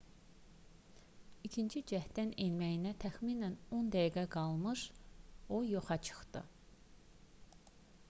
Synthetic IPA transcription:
icʰint͡ʃʰid͡ʒæhd̪ænenmæjinæt̪ʰæxminæno̞nd̪æjiɡæɡɑlˠmɯʃojo̞χɑt͡ʃʰɯ̥xd̪ɯ̰

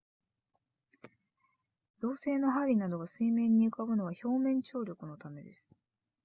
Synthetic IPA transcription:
d̪̥o̞ːse̞ːno̞ɦaɾʲinad̪o̞ɡasɨimẽ̞ɲ̟ːiɯ̟kabɯ̟no̞β̞aço̞ːmẽ̞ɲ̟t͡ɕo̞ːɾʲo̞kɯ̟no̞t̪ame̞d̪e̞sɨ̥

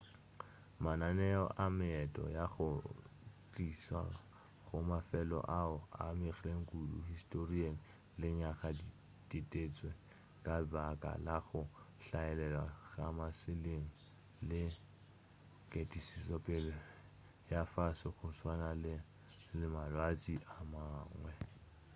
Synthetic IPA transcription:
mananɛɔ̰ʔamɪɛtʼɔ̰jaɣʊ | t͡ɬʼisa̰ | ɣʊmafɛlɔ̰ʔaʊa̰mɪχɛleŋ̩kʼudṵhistʼorieŋ̩ | lɪɲaχadi | ditʼet͡sʼwe | kʼabakʼa̰laɣʊ | ɬaɛlɛlwaɣamasɪleŋ̩ | lɪ | kʼetʼisisɔpʼɪl | jafasɪɣʊswanalɪ | lɪmalwat͡sʼiʔamaːŋwɛ

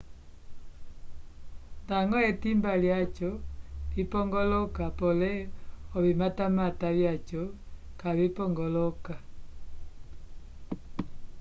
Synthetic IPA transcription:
ndaŋɡɔɛtimbaljat͡ʃɔipɔŋɡɔlɔkapɔlɛɔβimatamataβjat͡ʃɔ | kaβipɔŋɡɔlɔka

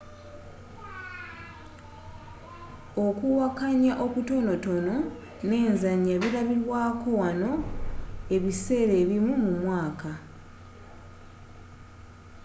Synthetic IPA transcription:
o̞kuwakaɲaʔo̞kuto̞no̞to̞no̞ | ne̞ːnzaɲːaβiɾaβiɾwaːko̞wano̞ | e̞βise̞ːɾe̞ːβimumumwaːka

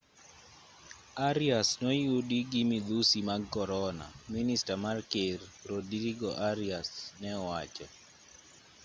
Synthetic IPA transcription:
aɾiasnɔjudiɡimid̪usimakɔɾɔna̰ministamarkerɾodɾiɡɔʔaɾiasnɛwat͡ʃɔ

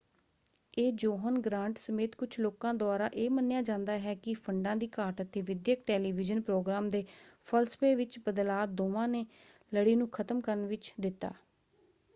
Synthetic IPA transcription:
eːd͡ʒoːɦənɡɾãːɳʈsəmeːt̪kʊt͡ʃʰloːkãːd̪ʊaːɾaːʔeːmənːejaːd͡ʒãːnd̪aːɦɛːkɪpʰəɳɖãːd̪iːkaːʈət̪ːeːʋɪd̪jəkʈɛːliːʋɪd͡ʒənpɾoːɡɾaːmd̪eːpʰəlspeːʋɪt͡ʃbəd̪laːd̪oːʋãːneː | ləɽiːnũːkʰət̪əmkəɾənʋɪt͡ʃd̪ɪt̪ːa̰ː

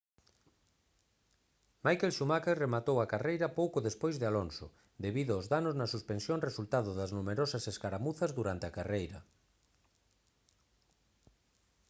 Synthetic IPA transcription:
majkelʃumakeremat̪owɐkarejɾɐpowkʊðespojzðealonsʊ̰ | d̪eβiðʊozðanoznɐsuspensjonresult̪aðʊðɐznumeɾosɐseskaɾamuθɐzðuɾant̪eakarejɾɐ

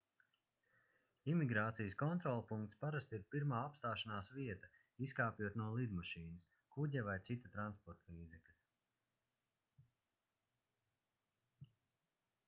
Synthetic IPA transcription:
imiɡɾaːt̪sijəskɔnt̪ɾɔlˠpuŋkt̪spaɾast̪iɾpiɾmaːapst̪aːʃanaːsviɛt̪ɐ | iskaːpʲjuɔt̪nuɔlˠid̪maʃiːnɨs | kuɟavajt̪sit̪at̪ɾanspɔɾt̪lˠiːzɛklʲ

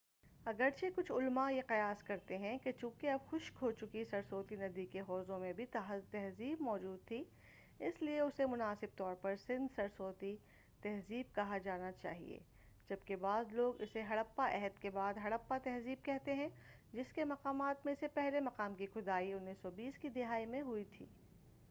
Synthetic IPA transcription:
ɐɡəɾt͡ʃʰekʊt͡ʃʰʊlmajeqɐjaːskɐɾt̪eɦɛ̃ket͡ʃũːkeɐbxʊʃkɦot͡ʃʊkisɐɾsoːt̪inɐd̪ikeɦɔːzõmẽbʱit̪t̪ɛɦziːbmɔːd͡ʒuːd̪̚t̪ʰi | ɪslieʊsemʊnaːsɪb̚t̪ɔːɾpɐɾsɪ̃nd̪sɐɾsoːt̪i | t̪ɛɦziːb̚kɐɦad͡ʒaːnat͡ʃa̰ːɦḭḛː | d͡ʒɐbkebaːzloːɡɪseɦɐɽəpːaʔɛɦəd̪kebaːd̪ɦɐɽəpːat̪ɛɦziːb̚kɛɦt̪eɦɛ̃ | d͡ʒɪskemɐqaːmaːt̪mẽsepɛɦlemɐqaːmkixʊd̪aːiʊnːisɔbiːskid̪ɪɦaːimẽɦʊit̪ʰḭː

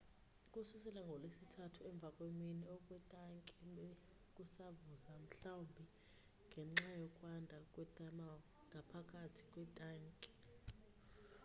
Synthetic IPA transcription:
kʼususɛlaŋɡʱɔlesitʰatʰuɛɱb̪vʱakʼweminɛɔkʼwɛtʼaŋkʼiɓe | kʼusavuzam̩ɬawumbʱi | ŋɡʱɛŋ͡ǁajɔkʼwandʱakʼwɛtʼamawɔ | ŋɡʱapʰakʼatʰi̥kʼwɛtʼaːŋkʼi̥

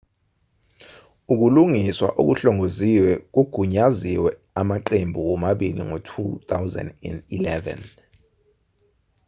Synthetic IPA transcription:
uk̬uluŋiswa̰ʔok̬uɬɔŋoziwɛk̬uɡ̥ʱuɲaziwɛ | amaǃembʱuwɔmaɓilḭŋɔtʰut̪ʰawzɛ̰ndɛ̰ndilɛvɛ̰n

